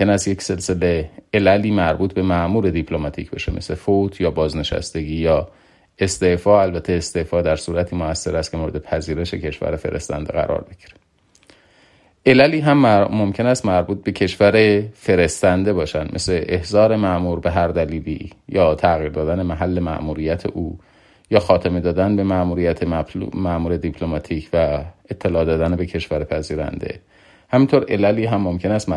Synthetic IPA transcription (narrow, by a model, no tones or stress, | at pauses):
enæst̪je̞cse̞lse̞le̞elæliːmæɾbuːt̪̚ʰbe̞mæʔmuːɾe̞d̪ipʰlomɒt̪ʰḭːcʰbḛʃe̞me̞̰slefot̪ʰjɒːbɒːzne̞ʃæ̰st̪e̞ɟiːjɒː | e̞st̪efɒːælbæt̪ʰːeːst̪e̞fɒːd̪æɾsuːɾæt̪ʰiːmoæsːe̞ɾæst̪cʰemoɾe̞d̪epʰæziːɾe̞ʃe̞cʰe̞ʃvæ̰ɾefe̞̰ɾe̞̰st̪æ̰nd̪ḛɣæ̰ɾɒ̰ːɾbeɟ̥iɾe̥ | ʔe̞læliːɦæmmo̞mcʰe̞næst̪mæɾbuːt̪̚be̞cʰe̞ʃvæɾefe̞ɾe̞st̪ænd̪e̞bɒːʃænd̪mḛsle̞ʔehzɒːɾe̞mæʔmuːɾbe̞ɦæɾd̪æliːlḭːjɒːt̪ʰæɣiːɾd̪ɒːd̪æne̞mæɦælːe̞mæ̰ʔmuːɾijæt̪ʰe̞̰ʔuː | jɒːxɒːt̪ʰeme̞d̪ɒːd̪ænbe̞mæmuːɾijæt̪ʰemæʔmuːɾe̞d̪ipʰlomɒːt̪ʰiːcʰvæet̪ʰːe̞lɒːd̪ɒːd̪ænebe̞cʰe̞ʃvæɾepʰæziːɾæ̰nd̪e̞̰ | hæmint̪ʰoɾe̞̰læliːɦæmːomcʰe̞næst̪